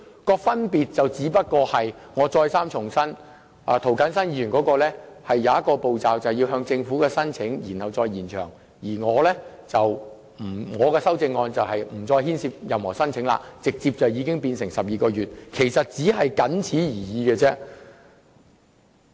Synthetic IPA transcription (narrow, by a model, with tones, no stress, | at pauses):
kɔː˧fɐ˥npiː˨t̚t͡sɐ˨wt͡siː˨˥pɐ˥t̚kɔː˧hɐ˨jŋɔː˨˧t͡sɔː˧jsaː˥mt͡ʃʰʊ˨˩ŋsɐ˥n | a̰ː˨˧t̪ʰo˨˩wkɐ˨˥nsɐ˥nji˧jyː˨˩nkɔ˨˥kɔː˧lɛː˥hɐ˨jːɐ˨˧wjɐ˥t̚kɔː˧po˨wt͡saː˨wt͡sɐ˨˩wji˧wɦœː˧ŋt͡sɪ˧ŋfuː˨˥kɛː˧sɐ˥nt͡sʰɪ˨˥ŋjiː˨˩nhɐ˨wt͡sɔː˧jjiː˨˩nt͡ʃʰœː˨˩ŋ | jiː˨˩ŋɔː˨˧lɛː˥ | t͡sɐ˨w | m̩˨˩ŋɔː˨˧kɛː˧sɐ˥wt͡sɪ˧ŋːɔː˧nt͡sɐ˨whɐ˨jm̩˨˩t͡sɔː˧jhiː˥nsiː˧p̚jɐ˨mhɔː˨˩sɐ˥nt͡sʰɪ˨˥ŋla̰ː˧t͡sɪ˨k̚t͡siː˧p̚t͡sɐ˨wjiː˨˧kɪ˥ŋpiː˧nsɪ˨˩ŋsɐ˨p̚jiː˨˧kɔː˧ɥyː˨t̚kʰe˨˩jsɐ˨t̚t͡siː˨˥ɦɐ˨jkɐ˨˥nt͡sʰiː˨˥jiː˨˩jiː˨˧kɛː˧t͡sɛː˥